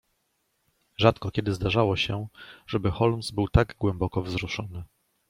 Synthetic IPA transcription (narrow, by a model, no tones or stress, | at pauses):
ʐat̪kɔkʲɛd̪ɘzd̪aʐawɔɕɛʐɛbɘxɔlmzbɘwt̪aɡɡwɛmbɔkɔvzɾuʂɔnɘ